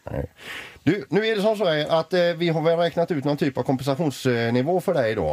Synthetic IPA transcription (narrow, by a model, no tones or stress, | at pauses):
ɛ̰d̪̥ʉnʉ̟ːæɖɛs̬ɔms̬ɔːəɾʔat̪vɪɦaɾvɛːlɾɛːknat̪ʉ̟t̪nɔnt̪ʰyːpavkʰɔmpɛnsaɧuːnsnɪvoːfœɖɛjɪd̪ɑ̰ː